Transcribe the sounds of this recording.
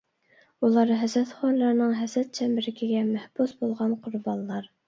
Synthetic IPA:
ulˠɑɾɦɛzɾɛt̪χɑnːˠɑɾnɨŋɦɛzɾɛt̪̚t͡ʃʰɛmbɪɾɪkʲʰɪɡʲɛmæhb̥usbolˠʁɑnqʰʊɾbɑnlːˠɑɾ

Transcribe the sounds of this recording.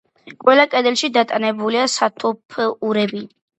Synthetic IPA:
kʼwɛlˠakʼɛd̪ɛlˠʃid̪at̪ʼanɛbuliasat̪ʰupʰuɾɛbi

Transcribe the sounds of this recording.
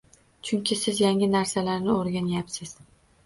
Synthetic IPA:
t͡ʃʰʊnkʲɪsɪzjaŋʲɪnaɾsalaɾnɪoɾɡʲanjapsɪz̥

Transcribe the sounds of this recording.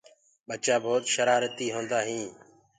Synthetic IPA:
ɓət͡ʃaːbʱoːt̪ʃəɾaːɾət̪iːɦõːnd̪aːɦĩː

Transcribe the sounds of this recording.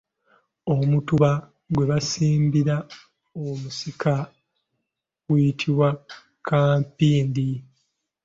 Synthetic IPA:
omutuβa | ɡwe̞βasiːmbiɾa | omusikʰa | ɡwijitʰiβwa | kʰaːmpiːndi

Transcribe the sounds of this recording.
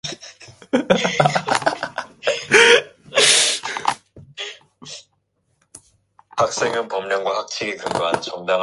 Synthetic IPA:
hak̚s͈eŋɯnpʌmɲʌŋɡwahak̚t͡ɕʰiɡikɯŋɡoɦant͡ɕʌŋdaŋ

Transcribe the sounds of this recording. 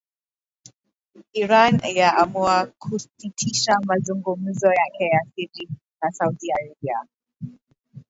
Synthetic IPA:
iɾanjaamuakʰusitʰiʃamazuŋɡum̩zɔjakʰɛjasiɾi | nasaudiaɾabia

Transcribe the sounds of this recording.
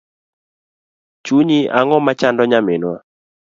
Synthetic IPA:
t͡ʃuɲiʔaŋɔmat͡ʃandɔɲamenwa

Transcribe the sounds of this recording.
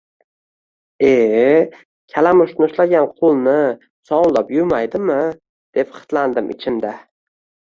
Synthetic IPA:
e | kʲʰalamʊʃnɪʊʃlaɡʲanqʰʊlˠnɪ | sɒw̪lˠapjʊɾmajd̪ɪmɪ | d̪̥e̞pχɨ̥t̪land̪ɪmʔɪ̰t͡ʃʰɪmd̪a

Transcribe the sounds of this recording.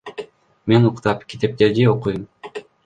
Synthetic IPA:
me̞nuqt̪ɑpkʲi̥t̪e̞p̚t̪e̞ɾd̪io̞qujum

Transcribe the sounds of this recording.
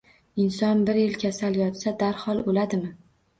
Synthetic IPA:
ɪnsɒnbɪɾjɪlkʲʰasaljɒt̪sad̪aɾhɒlˠolad̪ɪmɪ

